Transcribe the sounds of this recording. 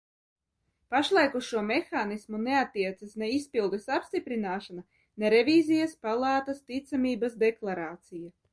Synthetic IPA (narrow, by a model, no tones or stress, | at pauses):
paʃlˠajkuʃuɔmexaːnismuneat̪ːiɛt̪sasneispilˠd̪esapst̪ipɾinaːʃana | neɾevʲiːzijaspalˠɑːt̪ɐst̪it̪samiːbasd̪eklˠaɾaːt̪sija